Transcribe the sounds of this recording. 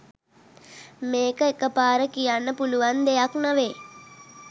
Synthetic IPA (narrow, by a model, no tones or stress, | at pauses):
meːkəekəpaːɾəkijanːəpuluʋand̪ejaknaʋeː